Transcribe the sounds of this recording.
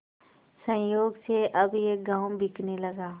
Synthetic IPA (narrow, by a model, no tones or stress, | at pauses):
sə̃joːɡseʔɐbjeːɡãːwbʱɪknelɐɡaː